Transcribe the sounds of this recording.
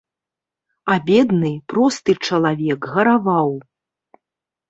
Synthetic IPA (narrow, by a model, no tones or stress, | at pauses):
abʲɛd̪nɨpɾɔst̪ɨt͡ʂɐlˠavʲɛkɣɐɾavaw